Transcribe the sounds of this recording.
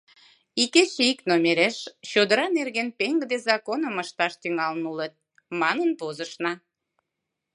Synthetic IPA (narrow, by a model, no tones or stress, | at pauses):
iket͡ɕiknomeɾeʃt͡ɕod̪əɾɑnerɣenpeŋɡd̪ezɑkonəməʃt̪ɑʃt̪yŋɑlnulət̪̚ | mɑnənpozəʃnɑ